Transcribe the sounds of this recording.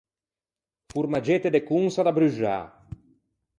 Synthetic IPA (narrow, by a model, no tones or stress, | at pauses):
fuɾmad͡ʒet̪ed̪ekunsad̪abɾyʒa̰